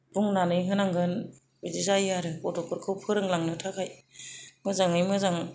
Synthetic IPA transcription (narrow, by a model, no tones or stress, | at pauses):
b̥uŋnanɯjɦɯnaŋɡɯn | bizizajaɾɯpɔtʰɔkʰɯɾkʰɯwpʰɯɾɯŋlaŋnɯtʰakʰajmɯzaŋɯjmɯzaŋ